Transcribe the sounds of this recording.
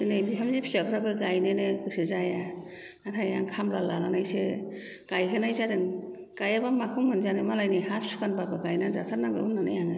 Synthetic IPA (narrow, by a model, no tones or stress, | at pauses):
sɯnebipʰamzipʰi̥sapʰɾabɯɡajneneɡɯsɯzaja | atʰajaŋkʰamlalalanajse | ɡ̥ajkʰɯnajzadɯŋ | ɡ̥ajabamakʰumhɯnzanɯmalajnɯhapsu̥kʰanbabɯɡajnazatʰaɾnaɡɯ̰unːana̰jaŋɯ